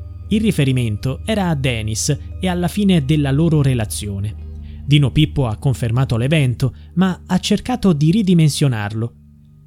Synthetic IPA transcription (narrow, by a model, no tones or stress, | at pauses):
ilrifeɾiment̪oɛːɾaːd̪ːɛːnisealːafiːned̪elːaloːɾoɾelat̪sːjoːned̪iːnopipːoakːoɱfermaːt̪olevɛnt̪omaat͡ʃːerkaːt̪od̪iɾid̪imensjona̰rlo